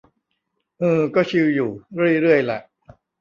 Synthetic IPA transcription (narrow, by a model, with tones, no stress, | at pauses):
ʔɯː˧kɔː˥˩t͡ɕʰi˧wjuː˨˩ɾɯ˥˩əjɾɯ˥˩əjlɛ˩ʔ